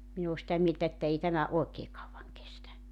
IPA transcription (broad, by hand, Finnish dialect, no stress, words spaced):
min oː sĭtæ mieltæ etːæ ei tæmæ oˑekeː kɑuwʋɑŋ kestæ